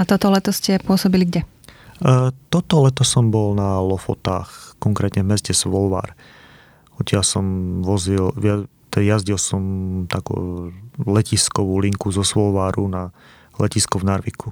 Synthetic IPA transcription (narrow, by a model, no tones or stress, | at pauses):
at̪ɔt̪ɔlɛt̪ɔscɛpʊɔsɔbiliɡɟɛ | t̪ɔt̪ɔlɛt̪ɔsɔmbɔlnalɔfɔ̰t̪a̰ːxkɔŋkɾɛːt̪ɲɛvmɛscɛsʋɔlʋa̰ːɾ | ɔt̪ɪalsɔmʋɔzilat̪jazɟilsɔmt̪akṵːlɛciskɔʋuːliŋkuzɔsʋɔlʋaːɾuna | lɛciskɔvnaɾʋikʰu